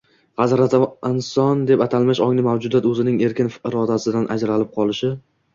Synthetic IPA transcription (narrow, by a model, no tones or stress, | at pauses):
hazɾat̪ɪnsɒnd̪e̞pat̪ʰalˠmɪʃɒŋnɪmawd͡ʒʊd̪at̪ɵzɪnɪŋe̞ɾkʲɪnfɪɾɒd̪asɪd̪anʔa̰d͡ʒɾalɪp̚qʰɒlˠɪʃɪ